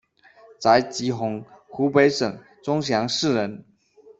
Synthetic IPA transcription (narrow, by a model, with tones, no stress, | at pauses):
t͡sa˧˦ɪt͡ɕi˨˥xʊ˧˥ŋxu˨˥pe˧˥ɪʂɤ˨˩ŋ | t͡sʊ˥ŋɕ̬jɑ˧˥ŋʂɻ̩˥˨ɻə˧˦n